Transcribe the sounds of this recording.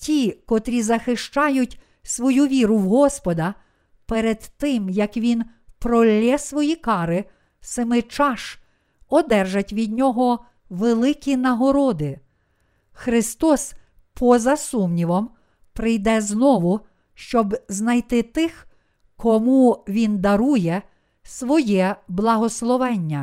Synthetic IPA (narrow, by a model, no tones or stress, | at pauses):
tʲikɔt̪ɾʲizɐxɪʃt͡ʃɑjʊtʲ | sʋɔjuʋʲiɾʊwɦɔspɔd̪ɐ | peɾed̪t̪ɪmjɐkʋʲin | pɾɔlʲːɛsʋɔjikɑɾɪ | sɪmɪt͡ʃɑʃ | ɔd̪ɛrʒɐtʲʋʲid̪ʲnʲɔɦɔ | ʋelˠɪkʲinɐɦɔɾɔd̪ɪ | xɾɪst̪ɔs | pʰɔzɐsumnʲiʋɔm | pɾɪjd̪ɛznɔʋʊ | ʃt͡ʃɔbznɐjt̪ɪt̪ɪx | kɔmuʋʲind̪ɐɾujɛ | sʋɔjɛblˠɐɦɔslˠɔʋɛnʲːɐ